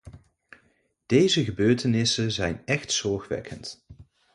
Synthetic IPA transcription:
d̥ejzəχəbøːɹtənɪsənzɛjnɛχtsɔɹχʋɛ̰kʰənt

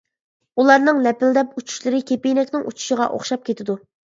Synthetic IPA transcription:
ulˠɑɾnɨŋnɛpɪld̪ɛput͡ʃʰu̥ʃlˠɨɾɪkʲʰepenɛkʲnɪŋut͡ʃʰu̥ʃɪʁɑʔo̰χʃɑp̚kʲʰet̪ʰɪd̪u

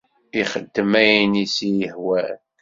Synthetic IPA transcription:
iχəd̪ːəmæjnisijəħwæl

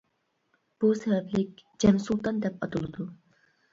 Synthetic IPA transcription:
b̥usɛbɛplɪk̚ʲd͡ʒɛmsulˠt̪ɑnd̪ɛpɑt̪ʰɨlˠɨd̪u

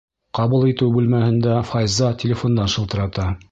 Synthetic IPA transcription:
qɑβulˠit̪ɘwbʉlmæhɘ̆nd̪æfɑjzɑtʲɪlʲɪfond̪ɑnʃɤ̆lˠt̪ɤ̆ɾɑt̪ɑ

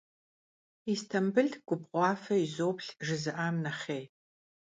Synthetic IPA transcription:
istʰɐmbɨɮtʰɡ̥ʷʊbqʷɑːfɐizoːpɬʒɨzɨʔaːmnɐχeːj

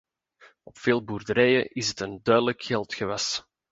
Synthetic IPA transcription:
ɔpfeːlˠburdəɾɛjəʔɪsətəndœɥdələkxɛlˠtxəʋɑs

